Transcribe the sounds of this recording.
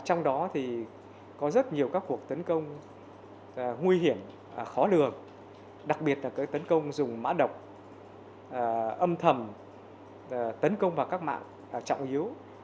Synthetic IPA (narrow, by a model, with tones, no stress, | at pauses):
t͡ɕɔ˧wŋ͡mɗɔ˨˦t̪ʰi˨˩ | kɔ˨˦zə˦˥t̚ɲi˨˩əwkaː˦˥kːu˨˩ək̚t̪ə˨˦nkə˧wŋ͡m | ŋwi˧ɦi˧˩əm˩ | xɔ˨˦lɨ˨˩əŋ | ɗa˨˩k̚ɓi˨˩ət̚laː˨˩kaː˨˦jt̪ə˨˦nkə˧wŋ͡mzʊ˨˩ŋ͡mma̰ː˧˥ɗə˨˩wk͡p̚ | ʔə˧mt̪ʰə˨˩m˨˩ | t̪ə˨˦nkə˧wŋ͡mvaː˨˩wkaː˦˥k̚ma̰ː˧˨ŋː˨˩ | t͡ɕɔ̰˧˨wŋ͡mʔi˨˦əw